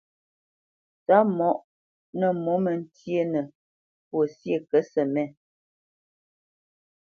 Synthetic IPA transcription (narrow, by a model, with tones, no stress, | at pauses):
ta˨˦mɔ˦ʔ | nə˦˨mɔ˨˦mə˨n̩˦tje˦nə˨ | pwo˨sje˦˨kə˨˦sə˨mɛ˦˨